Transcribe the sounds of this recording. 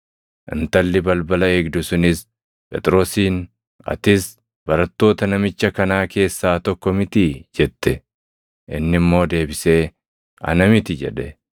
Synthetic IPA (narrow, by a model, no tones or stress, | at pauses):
ʔɪ̰nt̪ɐlːɪbɐlbɐlɐeːɡd̪ʊsʊnɪs | pʼɛ̰t̪ʼɾo̞ːsiːn | ɐ̰t̪ɪs | bɐɾɐt̪ːo̞ːt̪ɐnɐmɪt͡ʃːɐkɐnaːke̞ːsːaːt̪ɔkːɔmɪt̪ɪd͡ʒɛt̪ːɛ | ʔɪnːɪmːo̞ːd̪e̞ːbɪse̞ː | ɐ̰nɐmɪt̪ɪd͡ʒɛ̰ᶑɛ